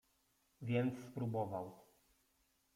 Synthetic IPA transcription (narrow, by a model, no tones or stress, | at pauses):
vʲjɛnt̪sspɾubɔvaw